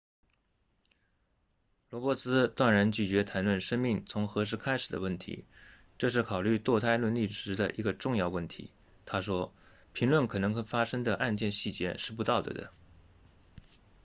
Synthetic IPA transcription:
lwɔ˧˥pwɔ˥sɹ̩˥t̪wa˥˩nɻa˧˥nt͡ɕy˥˩t͡ɕɥɛ˧˥t̪ʰa˧˥nlwə˥˩nʂə˥ŋmi˥˩ŋt͡sʰʊ˧˥ŋxɤ˧˥ʂ̬ɻ̩˥˧kʰa˥ɪʂɻ̩˨˩d̪ə̰˦wə˥˩nt̪ʰḭ˧˥ | ʈ͡ʂɤ˥˧ʂ̬ɻ̩˥˩kʰɑ˨˩ʊly˥˧t̪wɔ˥˧t̪ʰa˥ɪlwə˥˧nli˥˩ʂɻ̩˧˥d̪ə̰˧˨ʔi˧˥ɡə˧ʈ͡ʂʊ˥˧ŋjɑ˥˧ʊwə˥˩nt̪ʰḭ˧˥ | t̪ʰa˥ʂwɔ˥ | pʰi˧˥ŋlwə˥˩nkʰɤ˨˩nɤ˧˥ŋ˥˧fa˥ʂə˥ŋd̪ə˨ʔa˥˧nt͡ɕjɛ˥˧nɕi˥˩t͡ɕjɛ̰˧˥ʂɻ̩˥˩p̬u˧˥t̪ɑ˥˩ʊd̪ə̰˩d̪ə̰˩

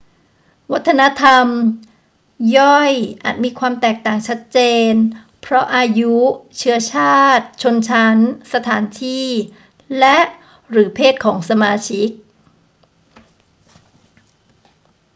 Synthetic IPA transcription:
wa˦˥t̪ʰːa˧na˦˥t̪ʰa˧m | jɔ˥˩jʔa̰ː˨˩t̪̚miː˧kʰwaː˧mt̪ɛː˨˩k̚t̪aː˨˩ŋt͡ɕʰa˦˥t̪̚t͡ɕeː˧n | pʰɾɔ˦˥ʔaː˧ju˦˥t͡ɕʰɯ˦˥ɐt͡ɕʰaː˥˩t̪̚t͡ɕʰo˧nt͡ɕʰa˦˥nsa˧t̪ʰaː˩˦nt̪ʰiː˥˩ | lɛ˦˥ʔ | ɾɯː˩˦pʰeː˥˩t̪̚kʰɔː˩˦ŋsa˧maː˧t͡ɕʰi˦˥k̚

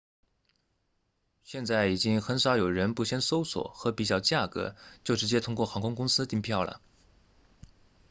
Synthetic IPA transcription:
ɕjɛ˥˧nt͡sa˥˩ɪi˨˩t͡ɕi˥ŋxə˧˥nʂɑ˧˥ʊjo˨˩ʊɻə˧˥npu˥˩ɕjɛ˥nso˥ʊswɔ̰˨˩xɤ˧˥pi˨˩t͡ɕjɑ˥˩ʊt͡ɕja˥˩kɤ̰˧˥t͡ɕjo˥˩ʊʈ͡ʂɻ̩˧˥t͡ɕjɛ˥t̪ʰʊ˥ŋkwɔ˥˩xɑ˧˥ŋkʰʊ˥ŋkʊ˥ŋsɹ̩˥t̪i˥˧ŋpʰjɑ˥˩ʊlə̰˩

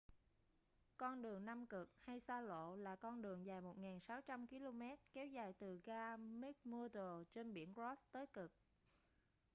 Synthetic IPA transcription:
kɔ˧nɗɨ˨˩əŋna˧mkɨ˨˩k̚ha˧jsaː˧lo̰˧˨laː˨˩kɔ˧nɗɨ˨˩əŋzaː˨˩jmo˨˩t̚ŋaː˨˩nsaː˨˦wt͡ɕa˧mki˧lo˧mɛ˦˥t̚kɛ˨˦wzaː˨˩jt̪ɨ˨˩ɣaː˧mi˦˥k̚mu˧t̪o˨˩t͡ɕe˧nɓḭ˧˩ənzɔ˦˥st̪əː˨˦jkɨ˨˩k̚

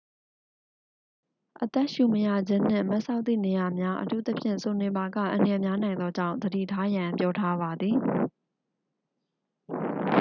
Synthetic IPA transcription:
ʔət̪ɛ˦ʔʃu˨məja̰˦˨d͡ʑɪ̃˦n̥ɪ̰̃˦˨mɛ˦ʔsʰã˦ʊʔt̪θḭ˦˨ne˨ja˨mja˦ʔə̰tʰṵ˦˨t̪ə˦pʰjɪ̰̃˦˨nso˨nɪ̃˨ba˨ɡä̰˦˨ʔã˨ndə˨jɛ˨mja˦nã˨ɪ̃nd̪ɔ˦d͡ʑã̰˦˨d̪ədḭ˦˨tʰa˦jã˨mpjɔ˦tʰa˦ba˨d̪ði˨

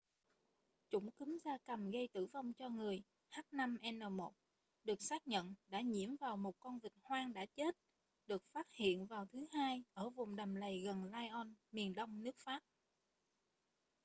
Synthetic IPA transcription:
t͡ɕʊ̰˧˩ŋ͡mki˨˦mzaː˧kə˨˩mɣə˧jt̪ɨ̰˧˩va˧wŋ͡mt͡ɕɔ˧ŋɨ˨˩əj | haː˦˥t̚na˧mʔɛ˧nəː˨˩mo˨˩t̚ | ɗɨ˨˩ək̚saː˦˥k̚ɲə̰˧˨nɗa̰ː˧˥ɲḭ˧˩əmvaː˨˩wmo˨˩t̚kɔ˧nvï˨˩k̚hwaː˧ŋɗa̰ː˧˥t͡ɕe˦˥t̚ | ɗɨ˨˩ək̚faː˦˥t̚hḭ˧˨ənvaː˨˩wt̪ʰɨ˨˦ɦaː˧jʔəː˧˩vʊ˨˩ŋ͡mɗa˨˩mlə˨˩jɣə˨˩nlaː˧jʔɔ˧nmi˨˩ənɗə˧wŋ͡mnɨ˦˥ək̚faː˦˥p̚

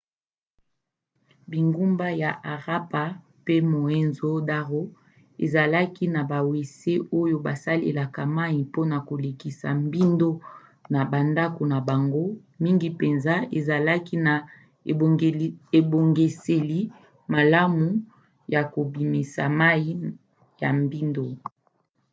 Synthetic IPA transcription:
bi˨ŋɡu˦mba˦ja˨ʔa˨ʁa˦pa˨ | pe˦mo˨e˦nzo˦da˦ʁo˦ | ḛ˨za˨la˦ki˦na˨ba˨we˨se˦o˦jo˦ba˨sa˦lḛ˨la˨ka˨ma˦i˨po˦na˨ko˨le˨ki˨sa̰˨mbi˦ndo˦ | na˨ba˨nda˦ko˨na˨ba˨ŋɡo˦ | mi˦ŋɡi˨pe˨nza˦ḛ˨za˨la˦ki˦na˨ | e˨bo˨ŋɡe˨se˨li˦ | ma˨la˦mu˨ | ja˨ko˨bi˨me˨sa̰˨ma˦i˦ | ja˨mbi˦ndo˦

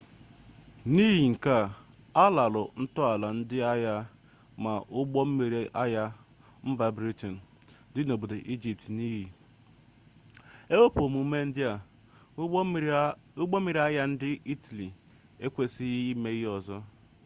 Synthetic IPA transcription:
ni˦ɦi˨ŋ̩˨ka˦ | a˦la˨lʊ˨n̩˦tʊ˦a˨la˨n̩˦dɪ˦a˦ja˦ | ma˨ʔʊ˦ɔ˦m̩˦e˨i˦ʔa˦ja˦ | m̩˦ba˦bɾi˦tɔ˨n̩˨ | dɪ˦no˨bo˨de˨ʔi˦d͡ʒi˨p̚tni˦ɦi˨ | e˦wo˦po˨mu˨˦me˦n̩˦dɪ˦a˨ | ʊ˦ɡ͡bɔ˦e˨ɾi˨a˦ja˦n̩˦dɪ˦i˦ta˨li˨ | e˦kʷe˦sɪ˦i˦me˦ɣɪ˦ɔ˨zɔ˦

